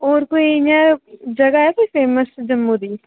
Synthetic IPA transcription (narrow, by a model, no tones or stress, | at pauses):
oːɾkoːiɪɲãd͡ʒəɡaːɛpipeːməsd͡ʒəmːuːd̪iː